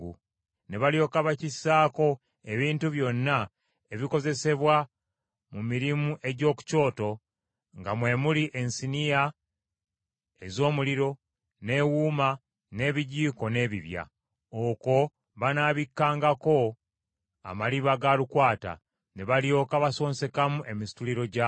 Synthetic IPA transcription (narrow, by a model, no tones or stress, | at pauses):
ɡu | ne̞βaljo̞ːkaβacisaːko̞ | e̞βiːntuβjo̞nːa | e̞βiko̞ze̞se̞βwa | mumiɾimuʔe̞ɟo̞ːku̥co̞ːto̞ | ŋɡamwe̞ːmuliʔe̞nsinija | ezo̞ːmuliɾo̞ | ne̞ːwuːma | ne̞ːβiɟiːko̞ne̞ːβiβja̰ | oko̞ | βanaːβikːaːŋɡako̞ | a̰maliβaɡalukwaːta̰ | neβaljo̞kaβaso̞ːnse̞kamuʔe̞misi̥tuliɾo̞ɟa